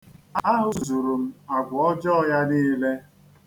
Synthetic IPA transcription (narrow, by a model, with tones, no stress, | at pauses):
a˦ɦʊ˨zu˨ɾu˨m̩˦a˨ɡʷɔ˦d͡ʒɔ˦ja˦niː˦le˦